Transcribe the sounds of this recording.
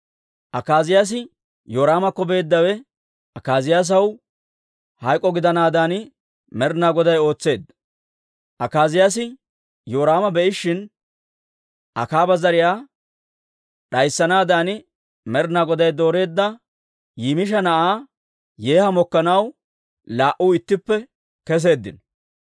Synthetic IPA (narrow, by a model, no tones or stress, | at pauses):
ʔɐkaːzɪjaːs̬ɪ | joːɾaːmɐkːɔbe̞ːd̪ːɐwɛ | ʔɐkaːzɪjaːs̬ɐw | hɐjkʼːɔɡɪd̪ɐnaːd̪aːnɪ | mɛɾnaːɡɔd̪ɐjo̞ːt͡sːe̞ːd̪ | ʔɐkaːzɪjaːs̬ɪ | jo̞ːɾaːmɐbɛʔɪʃːɪn | ʔɐ̰kaːbɐzɐɾɪjaː | ɗɐjsːɐnaːd̪aːnɪ | mɛɾnaːɡɔd̪ɐjd̪o̞ːɾe̞ːd̪ːɐ | jiːmɪʃ̬ɐnɐʔaː | jeːhɐmɔkːɐnɐw | laːʔʊːɪt̪ːɪpːɛ | kɛs̬e̞ːd̪ːɪ̰nɔ